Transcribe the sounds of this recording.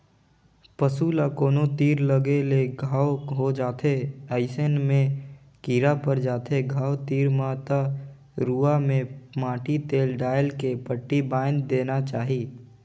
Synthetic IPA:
pəsuːlakoːnot̪iːɾləɡeleɡʱaːwɦod͡ʒaːt̪ʰeaɪsənmẽ | kiːɾapəɾd͡ʒaːt̪ʰeɡʱaːwt̪iːɾmat̪a | ɾuːamẽmãːʈit̪eːlɖaːjəlkepəʈːibaːɪnd̪eːnat͡ʃaːɦi

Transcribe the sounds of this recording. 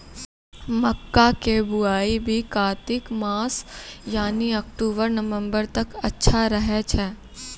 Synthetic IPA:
mɐkːakebʊaːibʱikaːt̪ɪkmaːsjaːniɐkʈuːbəɾnɐʋə̃mbəɾt̪ɐkɐtːʃʰaɾɐɦɛt͡ʃʰɛː

